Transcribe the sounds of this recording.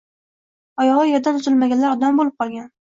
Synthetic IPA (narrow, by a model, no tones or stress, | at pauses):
ɒjɒʁɑjeɾd̪ant̪ʰʊzɪlmaɡʲanlaɾɒd̪ambolˠɪp̚qʰɒlˠɡʲan